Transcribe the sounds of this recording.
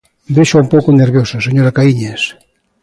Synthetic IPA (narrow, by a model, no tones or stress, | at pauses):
d̪eʃoaumpowkoneɾβjosaseɲoɾakaiɲes